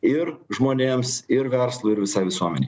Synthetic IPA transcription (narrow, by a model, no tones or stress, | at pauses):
ɪɾʒmoːnʲeːmsɪɾʋʲɛɾslˠʊɪɾʋʲɪsɑɪʋʲɪsuɔmʲɛnʲɛɪ